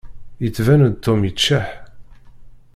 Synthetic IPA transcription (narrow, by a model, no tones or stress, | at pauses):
jət͡sːvænən̚t̪ʰːomjət͡ʃːaħ